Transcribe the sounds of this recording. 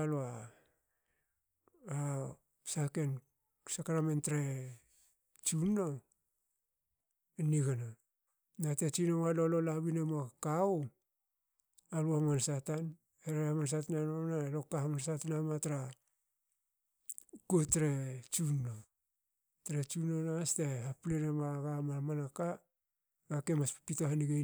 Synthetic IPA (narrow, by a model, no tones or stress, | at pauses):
loa | a | sake̞n | sakaɾamentɾe | t͡ʃunːo | eniɡana | natet͡ʃinowalololaβinemakau | aluamansatan | heɾeamansatananonalo̞kːahamansatanamataɾa | kuotɾet͡ʃunːo | tɾet͡ʃunonastehaplenemaɡamamanaka | ɡakemaspitohaniɡe